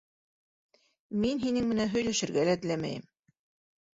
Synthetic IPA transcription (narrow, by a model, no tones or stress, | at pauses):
minɦinɘŋmɘ̆nænɦɵ̆jlæʃɘ̆ɾɡælæt̪ɘ̆læmæ̰jɘm